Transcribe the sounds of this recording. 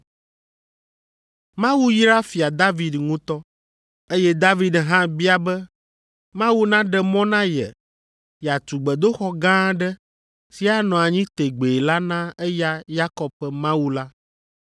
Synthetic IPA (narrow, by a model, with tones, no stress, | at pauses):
mã˦wu˦ji˦ɾa˦fi˨a˨d̪a˦vi˨d̪ŋũ˦t̪ɔ˦ | e˦jɛ˦d̪a˦vi˨d̪ɦã˦bi˦a˨bɛ˦ | mã˦wu˦nã˦ɖɛ˨mɔ̃˦nã˦jɛ̰˨ | ja˨t̪u˨ɡ͡bɛ˨d̪o˦xɔ˦ɡã˦ɖɛ˦ | si˦a˦nɔ̃˨a˨ɲĩ˦t̪e˨ɡ͡be˨la˦nã˦ɛ˦ja˦ja˦kɔ˨bpɛ˨mã˦wu˦la˦